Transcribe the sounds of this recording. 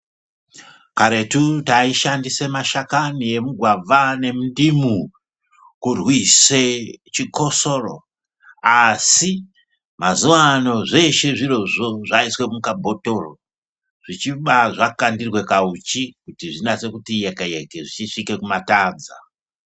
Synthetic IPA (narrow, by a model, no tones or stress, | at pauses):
kaɾe̞tutaiʃandise̞maʃakanije̞muɡʱwavane̞mundimu | kurwiset͡ʃiko̞so̞ro̰ | asi | mazuwano̞ʐe̞ʃe̞ʐiro̞ʐo̞ʐaiswe̞mukabʱo̞to̞ro | ʐ̥it͡ʃiɓaʐakandirwe̞kaut͡ʃikutiʐinat͡se̞kutijekejekeʐit͡ʃiʂike̞kumataːd͡za̰